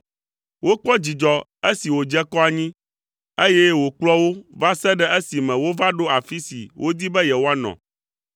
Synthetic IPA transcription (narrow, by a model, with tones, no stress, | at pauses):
wo˦k͡pɔ˦d͡ʑi˨d͡ʒɔ˨e˦si˨wo˨d͡ʒɛ˦kɔ˦a˨ɲĩ˦ | e˦jɛ˦wo˨k͡plɔ˦wo˦va˦sɛ˦ɖɛ˦ʔe˦si˨mɛ̃˨wo˦va˦ɖo˦a˨fi˦sḭ˨wʔo˦d̪i˦bɛ˦jɛ˨wo˦a˦nɔ̰̃˨